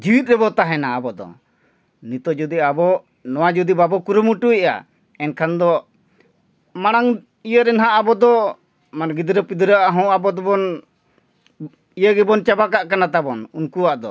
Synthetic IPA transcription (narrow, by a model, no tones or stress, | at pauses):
d͡ʒiwit̪̚ɾɛbɔt̪aɦɛnaːbɔd̪ɔ̰ | nit̪ɔd͡ʒud̪iabɔ | nɔwad͡ʒud̪ibabɔkuɾumuʈuɛʔa̰ | ɛnkʰand̪ɔ | maɽ̃aŋ | ijəɾɛnɦaʔabɔd̪ɔ | manɡid̪ɾəpid̪ɾəʔaɦɔ̃abɔd̪ɔbɔn | ijəɡɛbɔnt͡ʃabakaʔkanat̪abɔnunkuwaʔd̪ɔ